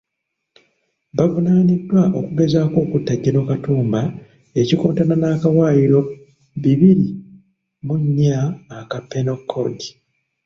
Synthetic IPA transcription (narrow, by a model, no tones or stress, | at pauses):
βavunaːnidːwaʔo̞̰kuɡe̞zaːko̞ːkutːaɟːeno̞katuːmba | e̞cikoːntananakawaːjiɾo̞ | βiβiɾi | muɲːaːkapːenokʰːo̰di